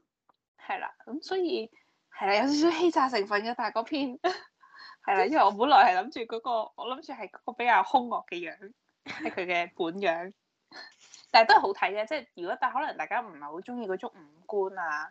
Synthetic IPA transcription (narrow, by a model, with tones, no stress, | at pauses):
hɐ˨˩jla̰ː˨˩kʊ˨˦msɔː˨˦ji˧ | ha˨˧˩jlaː˨jaː˨˧˩t̪ːsiː˨˦˥ɦe˧jt͡saː˧˩s̬ɪ˨˩ŋfə˨˩nkɔ˨˦t̪aː˧˩kɔː˨˦pʰi˧˥n | ha˨˩jlaː˨jə˧˥a˨˩ʔɔ˨˧mu˨˥nlɔ̰ː˨˩jha˨˩jlɐ˨˦mt͡ɕyː˧kɔː˨˦kɔː˧ʔɔ˨˧˥lə˨˦mt͡ɕyː˧ha˨˩jkɔː˨˦kɔː˧˩be˨˦jkaː˧whʊ˧ŋŋɔː˨˩k̚kɛ˧jœː˨˦ŋ | hkʰə˨˧jkɛ˧pu˨˦njœː˨˦ŋ | t̪aː˨˩jt̪ɔ˧˥˨ho˨˧˥wt̪ʰə˨˦jkaː˧t͡sɛː˧˥˩ji˨˩kɔː˨˦˥t̪aː˧˩ɦɔ˨˥la˨˩ŋt̪aː˨˩jkaː˧˥m̩˨˩ha˨˩ho˨˦wt͡ɕʊ˧˥ŋjiː˧kɔ˨˦wt͡ɕʊ˦˥k͡p̚m̩˨˧˩ku˧naː˨˩